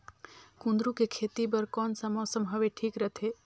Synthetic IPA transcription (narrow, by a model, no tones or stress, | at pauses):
kũnd̪ɾukekʰeːt̪ipəɾkɔːnsəmoːsəmɦɐʋeʈʰiːkɾət̪ʰe